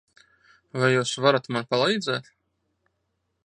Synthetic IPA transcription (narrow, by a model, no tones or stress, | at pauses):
vajːuːsvaɾat̪manpalˠɛjd̪zɛːt̪